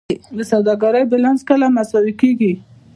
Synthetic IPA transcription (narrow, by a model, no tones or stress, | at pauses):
d̪əsawd̪ɑɡaɾəjbɪlanskəlamasɑwikeɡi